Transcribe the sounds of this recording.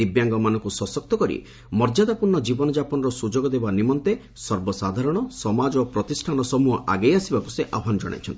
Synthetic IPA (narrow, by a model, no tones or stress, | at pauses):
ibjaŋɡɔmanɔŋkusɔsɔk̚t̪ɔkɔɾḭ | mɔɾd͡ʒad̪apuɾɳɔd͡ʒibɔnɔd͡ʒapɔnɔɾɔsud͡ʒoɡɔd̪ebanimɔnt̪e | sɔɾbɔsad̪ʱaɾɔɽ̃ɔsɔmad͡ʒopɾɔt̪isʈʰanɔsɔmuɦɔʔa̰ɡejasibakuseʔaɦanɔd͡ʒɔ̰ɽ̃a̰jt͡ʃʰɔ̰nt̪i